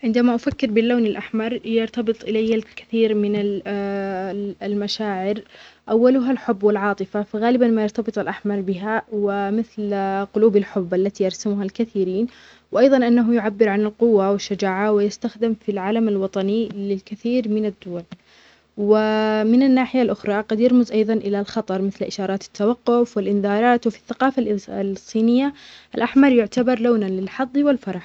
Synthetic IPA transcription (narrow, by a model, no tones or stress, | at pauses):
ʕɪnd̪amaʔafakːɪɾbɪlːaːnɪlʔaħmɑɾˤjɑɾt̪ɑbɨt̪ˤʔɪlajːalkḁθiːɾmɪna | lmaʃaːʕɪɾʔawːalʊɦalħʊbːwɪlʕɑːt̪ˤɨfafaɣaːlɪbanmajɑɾt̪ɑbɨt̪ˤɪlʔaħmɑɾˤbɪɦawɪmɪθlqʊluːbalħʊbːʔalːat̪ijɑɾˤsamʊɦalkaθiːɾiːn | wʔɑjðˤɑnʔanːaɦʊjʊʕabːɪɾʕanɪlqʊwːawɪʃːad͡ʒaːʕawɪjɪst̪axd̪ɪmfilʕaːlamalwɑt̪ˤɑnilɪlkɪθiːɾmɪnad̪ːʊwal | wɪmɪnanːaːħɪjalʔʊxɾˤɑqɑd̪jɑɾmɪzʔɑjðˤɑnʔɪlalxɑt̪ˤɑɾˤmɪθlʔɪʃɑːɾˤɑːt̪ɪ̥t̪ːawɑqːʊfwɪlʔɪnd̪ɑːɾˤɑːt̪wɪfi̥θːaqɑːfallsˤːiːnɪjːaʔalʔaħmɑɾˤjʊʕt̪abɑɾˤloːnanlɪlħɑðˤːwɪlfɑɾˤɑħ